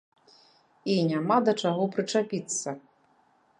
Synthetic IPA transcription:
inʲamad̪ɐt͡ʂaɣɔpɾɨt͡ʂapʲit̪sːɐ

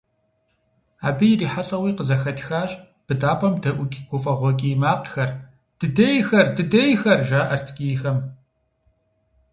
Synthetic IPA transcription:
a̰ːbɨjɪriːħaɬʼɐwiːqəzɐxɐtʰxaːɕʼ | b̥ɨdaːpʰɐmdɐʔʷʊkʲʼiɡ̥ʷʊfʼɐʁʷɔkʲʼiːmaːqxɐr | d̥ɨdɐjxɐrdɨdɐjxɐrʒaːʔɐrtʰkʲʼiːxɐm

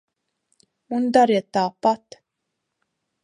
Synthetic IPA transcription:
und̪aɾjɛt̪aːpat̪

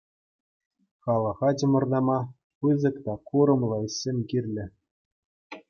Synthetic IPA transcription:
χɑlˠɤ̆χɑt͡ɕɤ̆mɤ̆rd̪ɑmɑ | pɯzɤ̆kt̪ɑkuɾɤ̆mlˠɤsʲemʲɡʲirʲlʲɘ̆

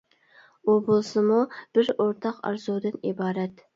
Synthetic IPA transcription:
ubolˠsɨmub̥ɪɾoɾt̪ʰɑqɑ̰ɾzuwd̪ɨnibɑːɾɛt̪

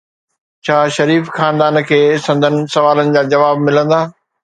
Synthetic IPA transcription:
t͡ɕʰaːʃɐɾiːfxaːnd̪aːnkʰeːsɐ̃nd̪ʱənɪ̆sɐʋaːlənɪ̆d͡ʑaːd͡ʑɐʋaːbmɪlə̃nd̪aː

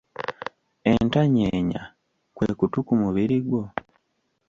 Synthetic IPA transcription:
e̞ntaɲeːɲa | kweːkutukumuβiɾiɡwo

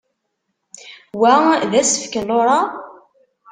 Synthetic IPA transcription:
wæðæsə̥fkənloɾˤɑ

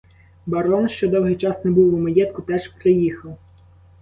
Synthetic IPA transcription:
bɐɾɔnʃt͡ʃɔd̪ɔwɦɪjt͡ʃɑsnebuwːʊmɐjɛt̪̚kʊt̪ɛʒpɾejixɐw

